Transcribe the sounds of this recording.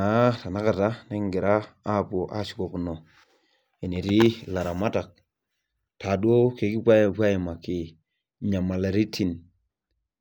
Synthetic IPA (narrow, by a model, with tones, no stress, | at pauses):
a˨˦ta˨na˦ka˨ta˦nɛ˦ŋɡɪ˨ɾaː˦˨po˨ʔa˦ʃi̥˨ko˨ku˨nɔ˨ | e˨ni˨ɾi˦la˨ɾa˨ma˦ta˨k̚ | ta˨dwo˦ke˨ki˦pʷa˦pwa˦ji˨ma˨ki˨ | ɲa˨ma˨la˨ɾi˦tːi˨n